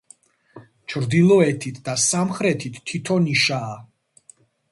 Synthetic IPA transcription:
t͡ʃʰɾd̪ilˠɔɛt̪ʰit̪ʰd̪asamχɾɛt̪ʰit̪ʰːit̪ʰɔniʃaː

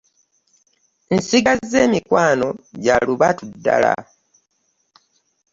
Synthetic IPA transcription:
n̩siɡazːeːmikwaːno̞ɟaluβatudːala̰

